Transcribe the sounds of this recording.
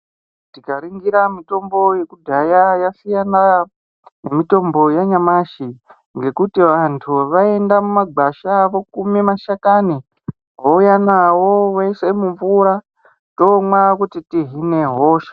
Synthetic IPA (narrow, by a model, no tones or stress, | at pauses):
tikaɾiŋɡiɾamito̞mbo̞je̞kudʱajajasijana | ne̞mito̞mbo̞jaɲamaʃi | ŋɡe̞kutiʋantʰuʋae̞ndamumaɡ͡baʃaʋo̞kumimaʃakani | ɦoujanawo̞wesemuɱvuɾa | to̞mwakutitiɦine̞ɦoːʃḁ